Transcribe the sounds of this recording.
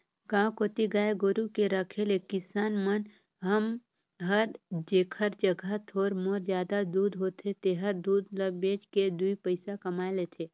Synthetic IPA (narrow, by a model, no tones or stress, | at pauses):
ɡãkoːt̪iɡaːeɡʊɾukeɾəkʰelekɪsaːnmən | ɦəm | ɦəɾd͡ʒeːkʰəɾd͡ʒəɡʱət̪ʰoːɾmoɾzjaːd̪ad̪uːd̪ɦoːt̪ʰet̪eɦəɾd̪uːd̪ləbeːd͡ʒked̪uipəɪsakɐmaːelet̪ʰeː